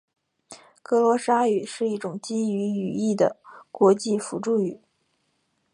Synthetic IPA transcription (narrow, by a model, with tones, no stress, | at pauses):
kɤ˧˥lwɔ˧˥ʂa˥y˨˩ʂɻ̩˥˧i˥˩ʈ͡ʂʊ˨˩ŋt͡ɕi˥ny˧˥y˨˩i˥˩d̪ə̰˩kwɔ˧˥t͡ɕi˥˩fu˧˥ʈ͡ʂu˥˩y˨˩˦